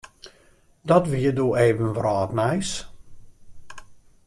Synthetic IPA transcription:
dɔtʋiədoːeːvənʋrɔːtnɛjs

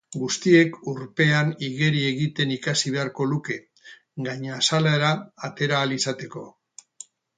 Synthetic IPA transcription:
ɡust̪ie̞kuɾpe̞aniɣe̞ɾie̞ɣit̪e̞nikasiβ̞e̞aɾko̞luke̞ | ɡaɲasalaɾaːt̪e̞ɾaːlisat̪e̞ko̞

